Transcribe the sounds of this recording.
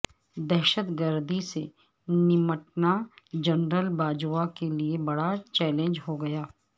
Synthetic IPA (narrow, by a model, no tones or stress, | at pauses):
d̪ɛɦːʃət̪ɡəɾd̪ʱisḛ | nɪməʈnad͡ʒɐnɾəlbaːd͡ʒakeliebɐɽat͡ʃɛːlẽnd͡ʒɦoɡɐjaː